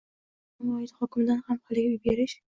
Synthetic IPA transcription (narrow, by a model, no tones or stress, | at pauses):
mɒjɪd̪hɒkʲɪmd̪anhamhalˠɪɡʲaʊjbeɾɪʃ